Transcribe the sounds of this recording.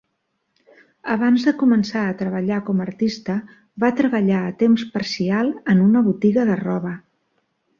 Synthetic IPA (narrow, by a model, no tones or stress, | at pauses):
əβ̞anzðəkumənsaət̪ɾəβəʎakɔməɾt̪ist̪ə | βat̪ɾəβəʎaət̪emspəɾsialˠənunəβut̪iɣəðərɔβə